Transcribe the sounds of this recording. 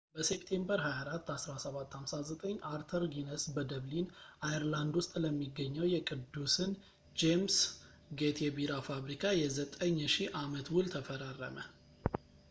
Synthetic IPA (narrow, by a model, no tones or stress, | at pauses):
bəsept̪ʰe̞mbəɾɦajaɾat̪ːasɾasəβat̪ːhamsazət̪ʼəɲːaɾt̪ʰəɾɡinəsbəd̪əβlinajəɾland̪wʊst̪ʼləmːiɡːəɲːəwjɛkʼɨd̪ːusɨn | d͡ʒems | ɡet̪ʰɛbiɾafaβɾikʰajɛzət̪ʼəɲːʃiʔamət̪wʊlt̪ʰəfəɾarːə̰mə̰